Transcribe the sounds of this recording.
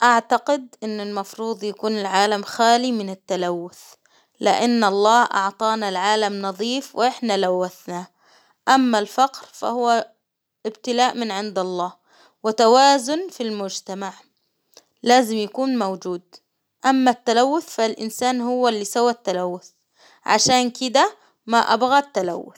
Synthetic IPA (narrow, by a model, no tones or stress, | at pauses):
ʔaʕt̪aqɪd̪ʔɪnːɪlmɑfɾuːd̪ˤjakuːnɪlʕaːlamxaːlimɪnɪt̪ːalawːʊθ | lɪ̰ʔanːɑlˤːɑːhʔɑ̰ʕt̪ˤɑːnalʕaːlamnɑðˤiːfwʔʔɪħnalawːaθna | ʔamːalfɑqɾfa̰hʊwːa | ʔɪbt̪ɪlaːʔmɪnʕɪnd̪ɑlˤːɑːh | wɪt̪awaːzʊnfilmʊd͡ʒt̪amaʕ | laːzɪmjakuːnmowd͡ʒuːd̪ | ʔamːat̪ːalawːʊθfalʔɪ̰nsaːnhʊwːalːiːsawat̪ːalawːʊθ | ʕa̰ʃaːnkɪd̪a | maʔa̰bɣat̪ːala̰wːʊ̰θ